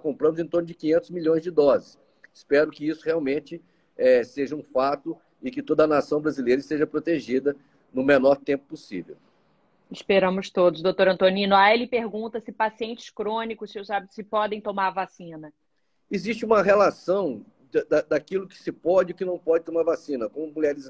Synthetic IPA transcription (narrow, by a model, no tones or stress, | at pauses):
kõmpɾɐ̃mʊzẽt̪oɾnʊd͡ʒɪkĩɲẽnt̪ʊzmiʎõj̃zd͡ʒɪd̪ɔzɪs | ɪspɛɾʊkɪisʊheawmẽnt͡ʃɪ | ɛseʒɐũfat̪ʊ | ɪkɪt̪od̪ɐnasɐ̃w̃bɾazilejɾɐɪst̪eʒɐpɾot̪eʒid̪ɐ | nʊ̃menɔɾt̪ẽmpʊ̥posḭvḛw | ɪspeɾɐ̃mʊst̪od̪ʊzd̪ot̪oɾɐ̃nt̪õnĩnʊaelɪpeɾɡũnt̪ɐsɪpasiẽnt͡ʃɪ̥skɾõnikʊssewzabit̪ʊ̥sɪpɔd̪ẽj̃t̪omaɾvasĩnɐ | ɪzist͡ʃɪũmɐɦelasɐ̃w̃ | d̪d̪ad̪akilʊkɪ̥sɪpɔd͡ʒɪʊkɪnɐ̃w̃pɔd͡ʒɪt̪omaɾvasĩnɐkõmʊmulɛɾɪs